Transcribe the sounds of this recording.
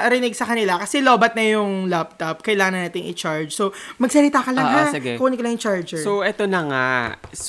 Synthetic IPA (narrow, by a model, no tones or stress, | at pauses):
ɾɪnɪɡ̚sɐkɐnɪlakɐsɛloːbɐt̪̚nɐjʊŋlap̚t̪ɐp̚kɐjlaːŋɐnɐnaːt̪ɪŋʔɪt͡ʃaɹd͡ʒsomɐɡ̚sɐlɪt̪akɐlɐhasɪɡɛkʊʔoːnɪkɐlɐŋjɪŋt͡ʃaɹd͡ʒɛsoʔɛt̪onɐŋa̰s